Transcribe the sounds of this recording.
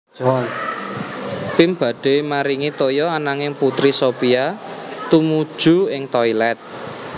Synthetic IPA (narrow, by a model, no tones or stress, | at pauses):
pimb̥ä̤ɖ̥e̤maɾiŋit̪ojɔanaŋɪŋput̪ɾisopiat̪umud̥ʒ̥ṳɪŋt̪ɔilɛt̪̚